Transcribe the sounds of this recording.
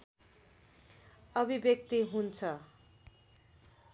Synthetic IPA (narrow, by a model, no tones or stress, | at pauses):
ʌbʱibjʌk̚t̪iɦunt͡sʰʌ